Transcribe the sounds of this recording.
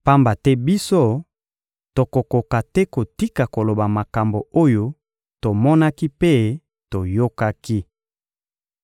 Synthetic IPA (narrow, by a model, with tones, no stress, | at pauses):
pa˦mba˨tɛ˦bi˦so˦ | to˨ko˨ko˨ka˨tɛ˦ko˨ti˦ka˨ko˨lo˨ba˨ma˨ka˨mbo˨o˦jo˦ | to˨mɔ˦na˦ki˦pe˦ | to˨jo˦ka˦ki˦